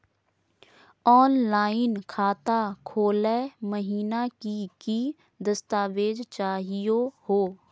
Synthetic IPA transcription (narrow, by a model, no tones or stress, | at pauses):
ɔːnlaːɪnkʰaːt̪akʰoːleməɦiːnakiki | d̪əst̪aːʋeːd͡ʒt͡ʃaːɦijohoː